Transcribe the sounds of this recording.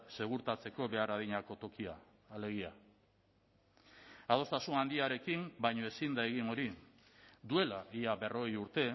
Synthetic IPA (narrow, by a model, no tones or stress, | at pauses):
se̞ɣ̞uɾt̪at͡se̞ko̞βe̞araðiɲako̞t̪o̞kiaː | le̞ɣia | aðo̞st̪asunand̪iaɾe̞kimbajɲo̞e̞sind̪ae̞ɣ̞ino̞ɾi | d̪ue̞laʔiaβe̞ro̞ɣejuɾt̪e̞